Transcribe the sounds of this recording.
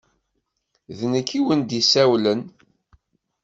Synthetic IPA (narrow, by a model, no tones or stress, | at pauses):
ðnəkːiwənd̪isæwlən